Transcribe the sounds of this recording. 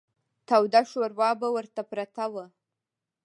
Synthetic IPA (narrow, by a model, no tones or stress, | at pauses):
t̪awd̪aʃoɾwɑbawəɾt̪apɾat̪awə